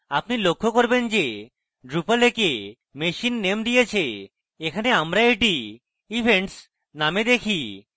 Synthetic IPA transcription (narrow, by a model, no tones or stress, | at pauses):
apnilokʰːokoɾbend͡ʑe | ɖɾupaleke | meʃinːemd̪ijet͡ɕʰe | ekʰaneamɾaeʈi | ibʱeɳʈs | named̪ekʰi